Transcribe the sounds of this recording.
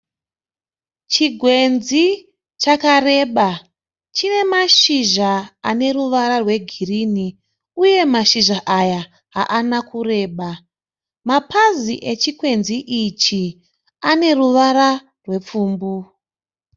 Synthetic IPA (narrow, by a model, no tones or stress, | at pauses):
t͡ʃiɡʱwe̞nzi | t͡ʃakare̞ɓa | t͡ʃine̞maʃiʒaane̞ruʋaɾarwe̞ɡʱirini | uje̞maʃiʒaʔaja | ɦa̰ʔanakure̞ːɓa | mapaziʔe̞t͡ʃikwe̞nziʔit͡ʃi | ane̞ruʋaɾa | rwe̞p͡fuːmbu